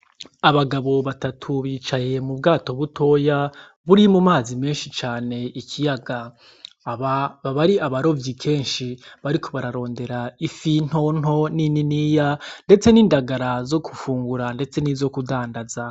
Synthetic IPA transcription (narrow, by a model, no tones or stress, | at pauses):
aβaɡaβo̞βatatʰuβiːt͡ʃaje̞mubɡaːto̞βutʰo̞ja | βuɾimumaːzime̞ːnʃit͡ʃaːne̞ikʰijaɡaː | βaβaβaɾiaβaɾo̞vjikʰe̞ːnʃiβaɾikʰo̞βaɾaɾo̞ːnde̞ɾaifin̥ho̞n̥ɦo̞nininijande̞t͡se̞niːndaɡaɾazo̞kʰufuːŋɡuɾande̞t͡se̞nizo̞kudaːndaza